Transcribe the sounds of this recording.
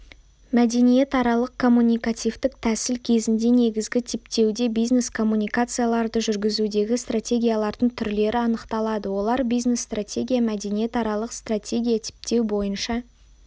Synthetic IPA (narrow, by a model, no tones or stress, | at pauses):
mæd̪e̞nije̞t̪ɑɾɑlˠəq̚kʰo̞mːunʲijkat̪ʲijvt̪ɪk̚t̪ʰæsɪlkʲʰe̞zɪnd̪e̞ne̞ɡʲɪzɡʲɪt̪ʰep̚t̪e̞wd̪e̞bijzne̞skʰo̞mːunijkat̪sɨjalˠɑɾd̪əʒʏɾɡʲɪzud̪e̞ɡʲɪst̪rat̪ʲe̞ɡʲijalˠɑɾd̪əɴt̪ʰʏɾle̞ɾʔɪɑnəqt̪ɑlˠɑd̪əwo̞lˠɑɾbijzne̞st̪rat̪ʲe̞ɡʲijamæd̪e̞nije̞t̪ɑɾɑlˠəqst̪rat̪ʲe̞ɡʲijat̪ʰe̥p̚t̪e̞wbo̞jənʃɑ